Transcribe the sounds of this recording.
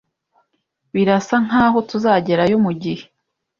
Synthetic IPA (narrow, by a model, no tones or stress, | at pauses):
βiɾasaŋ̥aːɦo̞tuzaːɟe̞ɾajomuɟihe